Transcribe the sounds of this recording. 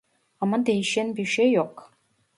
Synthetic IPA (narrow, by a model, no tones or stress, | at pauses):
amɐnd̪ejʃenbiʃejoq